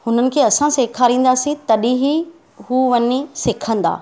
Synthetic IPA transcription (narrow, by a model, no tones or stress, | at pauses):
hʊnənɪ̆kʰeːɐsãseːkʰaːɾĩːn̆d̪aːsĩt̪ɐɗĩɦi | ɦuːʋɐɲisɪkʰə̃nd̪a̰ː